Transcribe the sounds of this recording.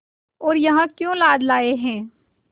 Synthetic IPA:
ɔːɾjɐɦãkjõlaːd̪laːeɦɛ̃ː

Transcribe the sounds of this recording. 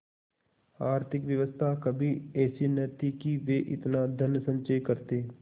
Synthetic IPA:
aːɾt̪ʰɪkʋjəʋəst̪ʰakɐbʱiɛːsinɐɾt̪ikiʋeʔɪ̰t̪nad̪ʱənjəsə̃ɲt͡ʃəjkɐɾt̪eː

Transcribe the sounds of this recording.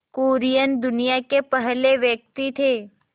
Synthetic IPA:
koːɾijənd̪ʊnijakepəɦleʋjək̚t̪it̪ʰe

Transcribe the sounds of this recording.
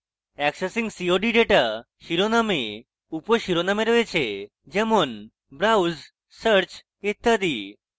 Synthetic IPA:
ɛksesiŋɡsioɖiɖeʈa | ʃiɾoname | upoʃiɾonameɾɔet͡ɕʰe | d͡ʑemon | bɾawz | səɾt͡ɕ | it̪ːad̪i

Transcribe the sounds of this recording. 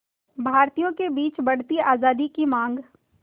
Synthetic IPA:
bʱaːɾt̪ijõkebiːt͡ʃbɐɽ̤t̪iaːzaːd̪ikimãːŋɡ

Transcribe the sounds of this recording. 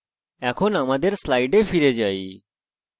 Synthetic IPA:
ɛ̃ːkʰoːnãːmaːd̪eːɾslaːiɖeːfʰiːɾeːd͡ʒaːiː

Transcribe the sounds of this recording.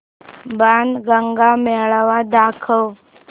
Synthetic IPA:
banɡəŋɡamɛɭaʋad̪akʰəw

